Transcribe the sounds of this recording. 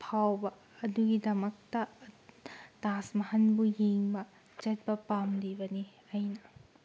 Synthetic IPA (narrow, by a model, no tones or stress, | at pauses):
pʰawbɐː | duɡidɐmɐk̚tɐ | tasmɐhɐnbujiŋbɐ | d͡ʒɐt̚bɐpamlibɐni | ɐjnɐ